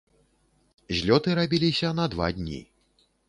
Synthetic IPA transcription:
zʲlʲɔt̪ɨɾabʲilʲisʲɐnɐd̪va̰d̪ʲnʲḭ

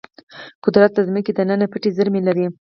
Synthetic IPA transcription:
kʊd̪ɾat̪̚d̪əzməked̪ənənapəʈezəɾmelaɾi

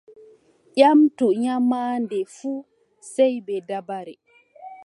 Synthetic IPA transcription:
ʔamtuɲamaːndɛfuː | sɛjbɛdabaɾɛ

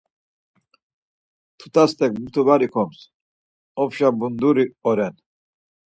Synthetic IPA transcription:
t̪ʰu̥t̪ʰʼast̪ʰʼɛkmut̪ʰubaɾikʰɔms | ɔpʃabund̪uɾiɔɾɛn

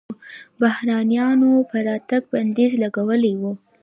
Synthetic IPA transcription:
bahɾɑnjɑnopəɾɑt̪aɡ̚band̪ezlaɡawəlewu

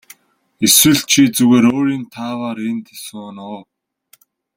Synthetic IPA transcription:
eswɘ̆ɮt͡ɕʰiːt͡suɣeːɾoːɾiːnt̪ʰaːwaːɾent̪ʰe̥sunɔː

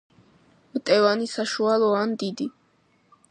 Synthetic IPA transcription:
mt̪ʼɛvanisaʃualˠɔand̪id̪i

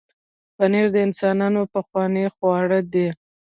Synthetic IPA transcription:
paneɾd̪əɪnsɑnɑnopaxwɑnexwɑɽəd̪e

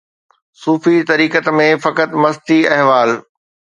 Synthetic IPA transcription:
suːfit̪ɐɾiːkət̪mẽfɐkət̪mɐst̪iɐɦʋaːl

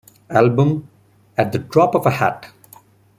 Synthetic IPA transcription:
ælbə̃m | æʈ̚d̪əɖɾɔːpɔʋəhæ̰ʈ

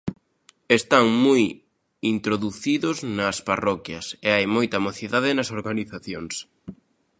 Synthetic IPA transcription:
est̪aŋmuj | int̪ɾoðuθiðʊznɐsparɔkjɐseajmojt̪ɐmoθiðaðɪnɐsoɾɣaniθaθjoŋs

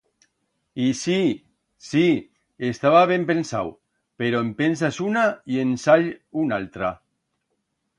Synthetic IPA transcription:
isi | si | est̪aβaβ̞empensa̰w | peɾoempens̬asunaiensaʎunalt̪ɾa

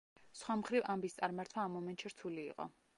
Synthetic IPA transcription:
sχwamχɾivambist̪sʼaɾmaɾt̪ʰwaːmɔmɛnt̪ʃiɾt̪ʰulḭːqʼɔ̰

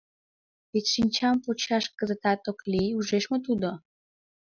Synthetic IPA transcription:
βetʲʃinʲt͡ɕɑmpot͡ɕɑʃkə̆zə̆t̪ɑt̪okliuʒeʃmot̪̬ud̪o

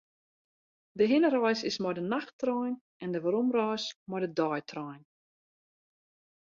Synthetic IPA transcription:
dəɦɪnəɾɔjsɪsmɔjdənaxtrɔjn | ʔɛndəʋaɾumrɔjsmɔjdədɔjtʰrɔjn

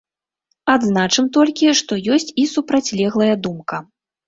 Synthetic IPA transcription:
ad̪znat͡ʂɨmt̪ɔlʲkʲiʂt̪ɔjɔsʲt͡sʲisupɾat͡sʲlʲɛɣlˠɐjɐd̪umkɐ

